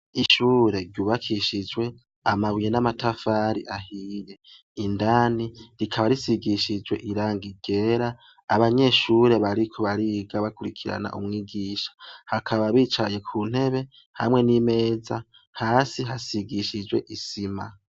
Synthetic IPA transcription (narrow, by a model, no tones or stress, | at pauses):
iʃuːɾe̞ɾɟuːβakʰiʃid͡ʒwe̞ | amaβwijenamatafaːɾiʔahije̞ | indaːniɾikʰaβaɾisiɡiʃid͡ʒwe̞̰ʔiɾaːŋɡiɡ̥e̞ɾaː | βaɲe̞ːʃuːɾe̞βaɾikʰo̞βaɾiɡaβakuɾikʰiɾa̰na̰ʔṵmŋiːɡiːʃḁhakʰaβaβiːt͡ʃaje̞kʰuːn̥he̞βe̞ | ha̰mŋe̞nime̞ːza | haːsiɦasiɡiʃid͡ʒwe̞̰ʔisima̰